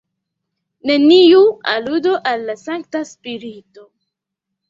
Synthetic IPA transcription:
ne̞niualudoʔalːasaŋk̚taspiɾito̞

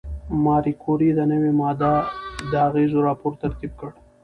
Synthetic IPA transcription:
mɑːɾikʰoɾid̪ənəwemɑːd̪ad̪əaɣeːzoɾɑːpoːɾt̪ɐɾt̪ib̚kəɽ

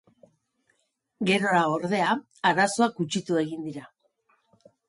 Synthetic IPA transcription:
ɡe̞ɾo̞ɾao̞ɾðe̞a | aɾaso̞akut͡ʃit̪ue̞ɣ̞ind̪iɾa

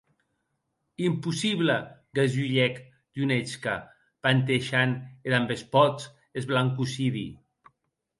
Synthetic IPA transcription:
impusiβlaɡazuʎɛk | d̪unet͡ʃka | pant̪eʃaned̪ambespɔt͡s | ezβlaŋkusiðḭ

